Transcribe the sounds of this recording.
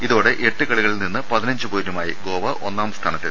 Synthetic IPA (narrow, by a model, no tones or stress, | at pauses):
iðo̞ːɽe̞ʔeʈːɨkɐɭiɣɐɭilninːɨpɐðinɐɲd͡ʑɨboːnumaːjiɡo̞ːʋɐʔo̞nːaːmst̪ʰaːnɐt̪ːḭl